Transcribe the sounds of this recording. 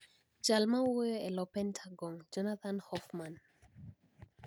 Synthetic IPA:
d͡ʒalmawojɔɛlɔpɛntʰaɡɔŋd͡ʒɔnat̪ʰanhɔfman

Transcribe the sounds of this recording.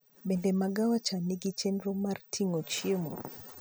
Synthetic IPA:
ɓɛndɛmaɡawat͡ʃaniɡit͡ʃɛnɾɔmartʰiŋot͡ʃiemo

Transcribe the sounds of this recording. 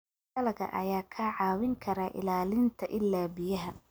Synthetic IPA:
ɐlɐɣɐ̰ʔɐ̰jaːkʰɐʕɑːwɪŋkʰɐɾaːʔɪ̰laːlɪnt̪ʰɐʔɪlːaːbɪjɐɦɐ

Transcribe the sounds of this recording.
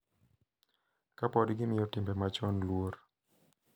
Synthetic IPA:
kapɔdɡɪmɪjɔtɪmbɛmat͡ʃɔnlwor

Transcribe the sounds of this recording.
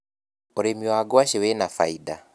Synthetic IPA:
oɾemiwaːɡowaɕewɛnafa̰ida

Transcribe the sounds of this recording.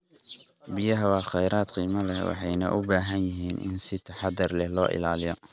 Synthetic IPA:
bɪjɐɦɐwɑːχɛjɾaːd̪qiːmɐlɛwɑ̰ħɑjnɐ̰ʔʊbaːɦɐnjɐɦiːnʔɪ̰nsɪt̪ʰɐħɑd̪ɐrlɛhlɔːʔɪ̰laːlɪjɔ

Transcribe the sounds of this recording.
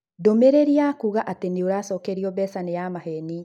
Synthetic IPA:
domeɾeɾiakuɣaʔateneoɾaːsɔːkeɾiɔbɛsanejamaɦɛni

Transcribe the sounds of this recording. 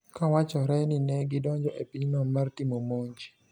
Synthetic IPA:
kawat͡ʃɔɾɛnɪnɛɡɪdɔɲd͡ʒɔʔepiɲnɔmartimomoɲd͡ʒ

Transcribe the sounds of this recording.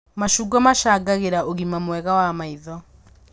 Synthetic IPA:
maʃuɡɔmaʃaːɡaɣeɾaoɣimamwɛɣawamaiðɔ

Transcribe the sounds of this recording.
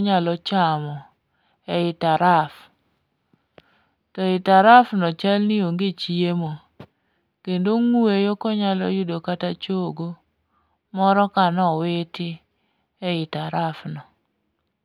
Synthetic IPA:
ɲalɔt͡ʃamɔ | ɛɪtaɾaf | tɔɪtaɾafnɔt͡ʃalnɪoŋɡet͡ʃiemo | kendoŋwejokɔɲalɔ̰jʊdokatat͡ʃoɡo | mɔɾɔkanɔwɪtɪ | ɛɪtaɾafnɔ

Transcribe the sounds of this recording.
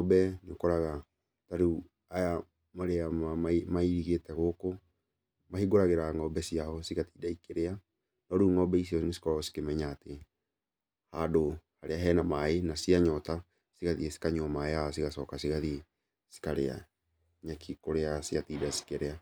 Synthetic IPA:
ŋɔbɛneokɔɾaɣa | taɾu | aja | maɾeaamaimaiɾiɣetɛɣoko | mahiɡoɾaɣeɾaŋɔbɛsiaɔsiɣatiːdaikeɾea | nɔɾuŋɔbɛisiɔnesi̥kɔɾaɔsi̥kemɛɲaːte | hadohaɾeaɦɛnamaenasiaɲɔta | siɣaðiesi̥kaɲomajas̬iɣasɔkasiɣaðie | si̥kaɾea̰ | ɲakʰikoɾeasiatidasi̥keɾea

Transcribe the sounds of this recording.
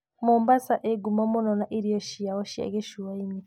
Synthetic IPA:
muːmbasaʔeɡumomunonaʔiɾijoʃiawoʃia̰ɡeʃuwaini

